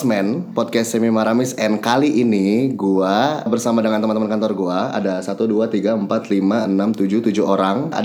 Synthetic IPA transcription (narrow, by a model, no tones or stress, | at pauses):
smɛnpɔd̚kɛstːemimaɾamɪsɛnkaliʔːniɡuabərsamadəŋant̪əmant̪əmənkant̪ɔrɡuaa̰dasat̪uduat̪iɡaəmpat̪limaənamt̪ud͡ʒut̪ud͡ʒuɦoɾaŋa̰